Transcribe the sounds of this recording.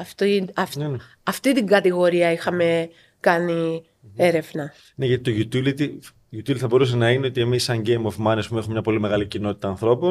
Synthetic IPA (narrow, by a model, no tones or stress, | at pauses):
ɐft̪iɐf | ɐft̪it̪iŋɡɐt̪iɣo̞ɾiɐixɐme̞ | kɐni | e̞ɾe̞vnɐ | neʝɐt̪it̪oʝut̪ilit̪ | ʝut̪ilit̪θɐbo̞ɾus̬enɐine̞o̞t̪ie̞misːɐɲɟe̞jmo̞vmɐnespume̞xumemɲɐpo̞lime̞ɣɐlicino̞t̪i̥t̪ɐːnθɾo̞pon